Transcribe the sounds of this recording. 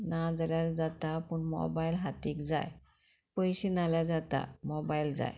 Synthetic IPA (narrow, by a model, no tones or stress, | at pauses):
nad͡zaljaɾd͡zat̪apəɳmɔ̰bajilɦat̪iːkd͡za̰j | pəjɕinaljad͡zat̪a̰mɔbaild͡za̰j